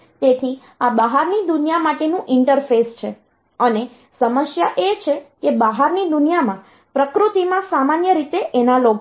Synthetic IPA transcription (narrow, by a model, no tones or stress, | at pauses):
t̪et̪ʰi | abaɦaɾnid̪ʊnjamaʈenũʔɪɳʈəɾfest͡ʃʰe | əne | səməʃjaʔet͡ʃʰekebaɦaɾnid̪unijamã | pɾəkɾut̪imãsamanjəɾit̪eʔenalok